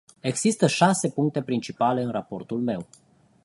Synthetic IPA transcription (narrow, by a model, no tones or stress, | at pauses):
e̞ɡz̥ist̪əʃase̞puŋk̚t̪e̞pɾint͡ʃipale̞ɨnrapo̞rt̪ulme̞w